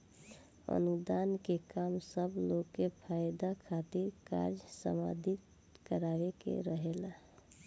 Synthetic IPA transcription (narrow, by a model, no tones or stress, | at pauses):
ə̰nud̪ankekamsəbloɡkːepʰajd̪akʰat̪iɾka̰ɾd͡ʒsə̰ma̰d̪ʱit̪ | kəɾabekḛɾəɦela